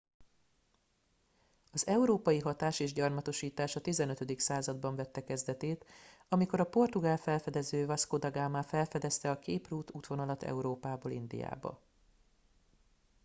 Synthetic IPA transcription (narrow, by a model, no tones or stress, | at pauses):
ɒzɛuɾoːpɒjiɦɒt̪aːʃeːʒɟɒrmɒt̪o̞ʃiːt̪aːʃɒt̪izɛnøt̪ød̪iksaːzɒd̪̚bɒɱvɛt̪ːɛkɛzd̪ɛt̪eːt̪ɒmiko̞ɾɒpo̞rt̪uɡaːlfɛlfɛd̪ɛzøːvɒskod̪ɒɡaːmaːfɛlfɛd̪ɛst̪ɛɒkeːpruːt̪uːt̪ʋo̞nɒlɒt̪ɛ̰uɾoːpaːboːlḭnd̪ḭja̰ːbɒ̰